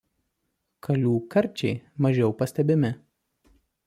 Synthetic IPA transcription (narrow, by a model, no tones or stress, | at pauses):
kʰɐlʲuːkɐɾʲˑt͡ʃʲɛɪmɐʒʲɛʊpɐsʲt̪ʲɛbʲɪmʲɪ